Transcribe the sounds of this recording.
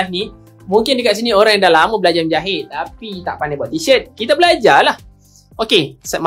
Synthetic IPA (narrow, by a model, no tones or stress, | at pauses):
sni | mũŋkɪndəkaʔsinioɾaŋjadahlamubəlad͡ʒamd͡ʒaɦɪt̪̚t̪apit̪a̰ʔpanabaaʔt̪isət̪̚kit̪abəlad͡ʒalah | okesm